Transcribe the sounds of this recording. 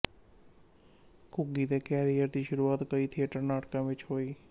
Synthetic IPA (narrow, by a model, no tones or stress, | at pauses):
kʊɡiːd̪eːkɛːɾijəɾd̪iːʃʊɾuːaːt̪kəiːt̪ʰɪəʈəɾnaːʈkãːʋɪt͡ʃhoːiː